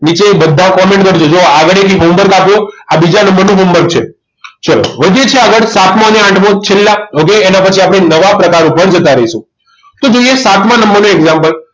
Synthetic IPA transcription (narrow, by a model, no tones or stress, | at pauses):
nit͡ʃebəd̪ʱːãkɔmẽɳʈkəɾt͡ʃʰod͡ʒoaɡəɭekiɦombəɾɡapjoabid͡ʒanəmbəɾnũɦombəɾɡ̚t͡ʃʰe | t͡ʃəlo̰ʋəd̪ʱjet͡ʃʰeaɡəɭsat̪ʰmãəneãʈʰmõt͡ʃʰelːaokeːnapət͡ʃʰiapɽ̃enəʋapɾəkaɾũpəɳd͡ʒət̪aɾəɦiʃũ | t̪od͡ʒoijesat̪ʰmãnəmbəɾnũeɡzãmpəl